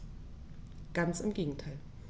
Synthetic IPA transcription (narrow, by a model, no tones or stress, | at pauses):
ɡ̥ant͡sɪmɡeːɡŋ̩tʰaɪl